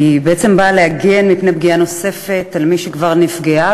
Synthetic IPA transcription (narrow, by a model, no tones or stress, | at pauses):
ibeet͡sembaːleaɡenmipnebɡiano̞se̞fe̞talmiʃekvaʁnifɡea